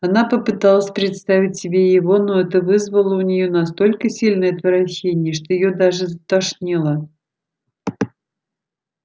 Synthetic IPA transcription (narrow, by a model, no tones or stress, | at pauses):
ɐnapəpɨt̪alˠəsʲpɾʲɪt̪st̪avʲɪt̚ʲsʲɪbʲejɪvo̞no̞ɛt̪əvɨzvəlˠəʊnʲɪjo̞nɐst̪o̞lʲkəsʲilʲnəjɐt̪vəɾɐɕːenʲɪjəʂt̪o̞jɪjod̪aʐɨzət̪ɐʂnʲilˠə